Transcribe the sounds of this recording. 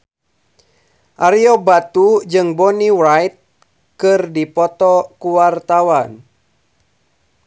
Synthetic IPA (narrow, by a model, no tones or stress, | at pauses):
ʔaɾiɔbat̪ud͡ʒɨŋbɔniwajt̪̚ | kɨrdipɔt̪ɔkuwart̪awan